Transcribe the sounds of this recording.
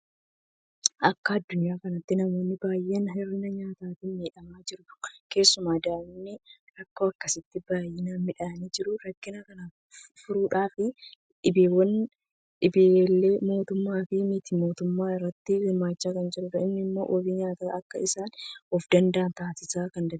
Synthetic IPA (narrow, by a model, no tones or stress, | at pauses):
ʔɐkːɐɐd̪ːʊnjaːkɐnɐt̪ːɪnɐmo̞ːnːɪbaːjːenɦɪrːɪnɐɲaːt̪aːt̪iːnmeːᶑɐmaːd͡ʒɪɾʊt̪ʊ̥ke̞ːsːʊmaːd̪aːmnːɪɾɐkːo̞ːɐkːɐsɪt̪ːɪbaːjːɪnaːmɪᶑaɐniːd͡ʒɪɾʊɾɐkːɪnakɐnɐ | fʊɾuːᶑaːfɪ | ᶑɪbeːwːɐn | ᶑɪbelːe̞ːmo̞ːt̪ʊmːaːfɪmɪt̪imo̞ːt̪ʊmːaːɪrːɐt̪ːɪɡɪmːaːt͡ʃːaːkɐnd͡ʒɪɾʊɾɐɪmnɪmːo̞̰ːʔɔbiːɲaːt̪aɐkːɐɪsaːnɔfd̪ɐnd̪ɐʔːnt̪aːsɪsaːkɐnd̪ɐ